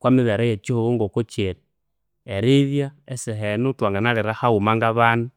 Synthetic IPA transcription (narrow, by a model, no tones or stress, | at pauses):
kwamiβeɾajet͡ʃihuβuŋɡokut͡ʃiɾi | eɾiβjaesiɦenutwaŋɡanaɾiɾahaumaŋɡaβanu